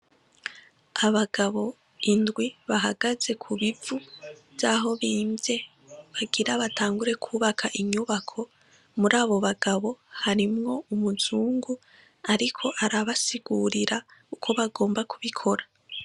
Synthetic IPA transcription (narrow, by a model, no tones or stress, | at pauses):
aβaɡaβo̞ | indɡwiβaɦaɡaze̞kʰuβivujaːɦo̞βiːmze̞ | βaɡiɾaβatʰaːŋɡuɾe̞kʰuːβakʰaʔiɲuβakʰo̞ | muɾaːβo̞βaɡaβo̞haɾimŋo̞umuzuːŋɡu | aɾikʰo̞ʔaɾaβasiɡuːɾiɾaukʰo̞βaɡo̞ːmbakuβikʰo̞ɾa